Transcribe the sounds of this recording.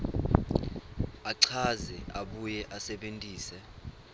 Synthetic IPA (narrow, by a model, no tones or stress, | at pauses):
aǀʰazɛaɓujɛʔasɛɓentʼiːsɛ